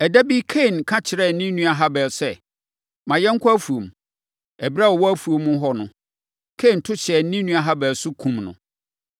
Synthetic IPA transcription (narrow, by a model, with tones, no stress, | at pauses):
ɛ˨dæ˦bi˦kʰe˦˨nkʰã˦t͡ɕʰɪ˨ɾɛ˦˨n̩˦nĩ˦nũ˦a˨ɦa˦bɛ˨lsɛ˦ | mã˨jɛ̃˦ŋ̩˦kʰɔ˦æ˦fu˨o˨m˨ | ɛ˨bɾa˦wɔ˨wɔ˦æ˦fu˨o˨mʊ̃˦ɦɔ˦nʊ̃˨ | kʰe˦˨n̩˨tʰʊ˦t͡ɕʰɛ˨n̩˦nĩ˦nũ˦a˨ɦa˦bɛ˨sʊ˦kʰũ˦mnʊ̰̃˨